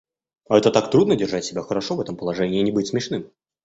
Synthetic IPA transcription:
ɐɛt̪ət̪akt̪ɾud̪nədʲɪrʐatʲsʲɪbʲaxəɾɐʂovɛt̪əmpəlˠɐʐɛnʲɪːnʲɪbɨtʲsmʲɪʂnɨm

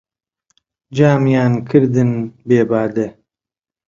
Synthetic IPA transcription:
d͡ʒaːmjaːnkʰɨɾd̪ɨnbeːbaːd̪e

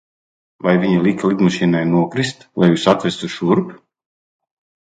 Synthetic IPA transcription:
vajvʲiɲilˠiklˠid̪maʃiːnajnuɔkɾist̪lˠajuːsat̪vʲɛst̪uʃuɾp

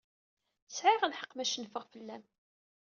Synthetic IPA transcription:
sʕiʁanħə̥qːmæʃənfəʁfəlːæm

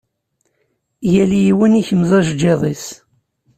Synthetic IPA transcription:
jælijiwəniçəmzˤɑʒd͡ʒeðˤis

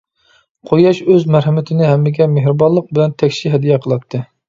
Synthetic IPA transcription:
qʰojɑʃøzmɛɾɦɪmɪt̪ʰɪnɪɦɛmːɪɡʲɛmehɾɨbɑlˠəq̚bɪlɛnt̪ʰɛkʲʃiɦɛd̪ijɛqʰəlˠɑt̪ʰːɨ

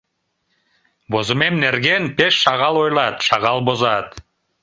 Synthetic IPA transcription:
bozɨmemneɾɡenpeʃːɑʁɑlˠojlˠɑt̪ʃɑʁɑlˠbozɑt̪

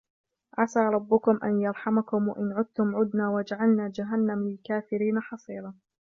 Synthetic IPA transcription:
ʔasaːɾˤɑbːʊkʊmʔa̰njɑɾˤħamakʊmwaʔɪnʕʊd̪̚t̪ʊmʕʊd̪naːwad͡ʒaʕalnaːd͡ʒaɦalːamlɪlkaːfɪɾiːnaħɑsˤiːɾɑː

